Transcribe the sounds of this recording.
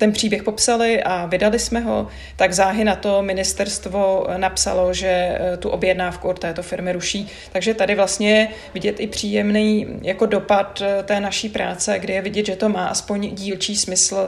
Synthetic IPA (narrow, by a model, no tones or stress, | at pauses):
t̪ɛnpr̝̥iːbjɛxpo̞psalɪʔavɪdalɪsmɛɦo̞̰ | t̪aɡzaːɦɪnat̪o̞mɪnɪst̪ɛɾst̪vonapsa̰lo̞ʒɛt̪uʔobjɛdnaːfkuot̪t̪ɛːt̪o̞fɪɾmɪɾuʃiː | t̪aɡʒɛt̪adɪvlast̪ɲɛjɛ | vɪɟɛt̪ʔɪpr̝̥iːjɛmnijjako̞do̞pat̪t̪ːɛːnaʃiːpɾaːt͡sɛɡdɪjɛvɪɟɛt̪ʒɛt̪o̞maːʔaspo̞ɲɟiːlt͡ʃiːsmɪsl̩